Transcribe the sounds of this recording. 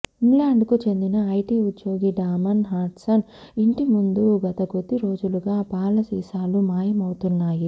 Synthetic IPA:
iŋlaːɳɖkut͡ʃe̞nd̪inɐɐjʈiːut̪ːjo̞ːɡiɖaːmɐnɦaːɾʈsɐn | iɳʈimund̪uɡɐt̪ɐɡot̪ːiɾo̞ːd͡ʒuluɡaːpaːlɐsiːsaːlumaːjɐmɐwut̪unːaːji

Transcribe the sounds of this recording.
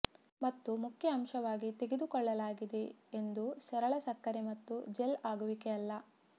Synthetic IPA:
mɐt̪ːumukʰjɐːmʃɐʋaːɡit̪e̞ɡed̪ukɔɭːɐlaːɡid̪e̞end̪usɐɾɐɭɐsɐkːɐɾemɐt̪ːud͡ʒelaːɡuʋikeɐlːɐ

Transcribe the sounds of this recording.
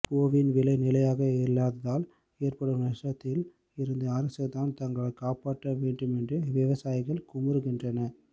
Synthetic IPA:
poːʋɪnʋɪlɐɪnɪlɐjaːɣɐɪɾlaːðɐðaːl | eːrpɐɽɯmɐʂʈɐt̪ːɪl | ɪɾɯnd̪ɐɐɾɐsɐt̪ːaːnt̪ɐŋɡɐɭɐkːaːpaːʈːɐʋeːɳɖɯmɛndrɯʋɪʋɐsaːjɪɣɐɭkʊmɐɾɯɣɪndrɐnɐ

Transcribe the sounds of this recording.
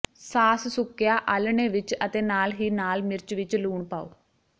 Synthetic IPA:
saːssʊkːjaːʔəlɳeːʋɪt͡ʃət̪eːnaːlɦiːnaːlmɪɾt͡ʃʋɪt͡ʃluːɳpa̰ːo̰ː

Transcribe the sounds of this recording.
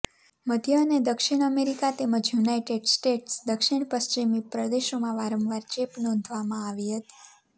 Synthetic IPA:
məd̪ʱjəned̪əkʃiɽ̃əmeɾikat̪eməd͡ʒjunaiʈeɖsʈeʈsd̪əkʃiɳ̃pəst͡ʃimipɾəd̪eʃomãʋaɾəmʋaɾt͡ʃepnond̪ʱʋamãaʋiɦət̪i̥

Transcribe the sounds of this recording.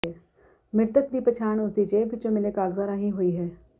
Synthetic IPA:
ɛ | mɪɾt̪əkd̪ipət͡ʃʰaːɳ̃ʊsd̪it͡ʃebɪt͡ʃõmɪlekaːɡzaːɾaːɦĩɦʊiɦɛː

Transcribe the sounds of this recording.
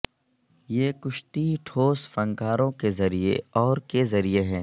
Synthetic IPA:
jeːkʊʃt̪iʈʰoːsfɐ̃ŋkaːɾõkezɐɾiḛɔːɾkezɐɾieɦɛː

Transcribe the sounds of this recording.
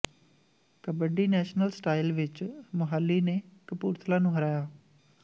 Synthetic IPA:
kəbəɖiːnɛːʃnəlsʈaːɪlʋɪt͡ʃmʊɦaːlːiːneːkəpṵːɾt̪ʰlaːnũːɦəɾaːjaː

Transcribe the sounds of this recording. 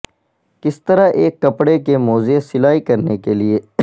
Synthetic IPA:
kɪst̪əɾaʔeːkːɐpɽekemoːzesɪlaːikɐɾnekelie

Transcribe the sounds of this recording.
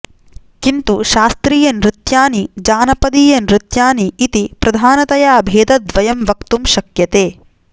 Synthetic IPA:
kint̪uʃaːst̪ɾiːjɐnɾit̪jaːnid͡ʒaːnɐpɐd̪iːjɐnɾit̪jaːniːt̪ipɾɐd̪ʱaːnɐt̪ɐjaːbʱeːd̪ɐd̪ʋɐjɐmʋɐkt̪umʃɐkjɐt̪eː

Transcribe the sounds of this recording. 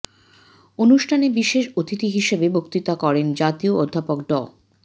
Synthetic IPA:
onuʃʈʰanebiʃeʃot̪it̪iɦiʃebebokt̪it̪akɔɾend͡ʑat̪ioʔod̪ʱːapokɖɔl

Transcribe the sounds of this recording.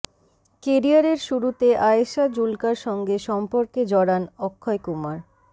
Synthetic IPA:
keɾiaɾeɾʃuɾut̪eʔajeʃad͡ʑulkaɾʃɔŋɡeʃɔmpoɾked͡ʑɔɽanɔkʰːɔekumaɾ

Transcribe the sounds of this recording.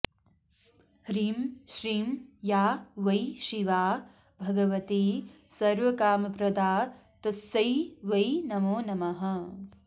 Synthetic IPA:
hɾiːmʃɾiːmjaːʋɐjʃiʋaː | bʱɐɡɐʋɐt̪iːsɐɾʋɐkaːmɐpɾɐd̪aːt̪ɐsɐjʋɐjnɐmoːnɐmɐɦɐ̆

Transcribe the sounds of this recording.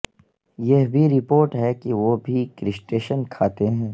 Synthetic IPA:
jeɦbʱiɾɪpoːɾʈɦɛkiʋobʱikɾɪsʈeːʃənkʰaːt̪eɦɛ̃ː

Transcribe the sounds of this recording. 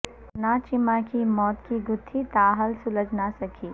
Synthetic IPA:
nat͡ʃɪmakimɔːt̪kiɡʊt̪ʰːit̪aːɦəlsʊləɡnasɐkʰiː

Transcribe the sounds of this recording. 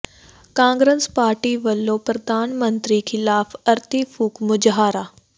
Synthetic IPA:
kãːŋɡɾespaːɾʈiʋɐlːopɾɐd̪ʱaːnmənt̪ɾikʰɪlaːfɐɾt̪ifuːkmʊd͡ʒɦaːɾaː

